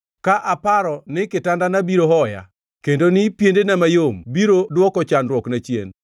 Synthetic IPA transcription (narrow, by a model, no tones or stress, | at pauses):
kaʔapaɾɔnɪkɪtandanabiɾoɦɔja̰ | kendonɪpjendenamajombiɾodwɔkɔt͡ʃanɾwɔknat͡ʃjḛn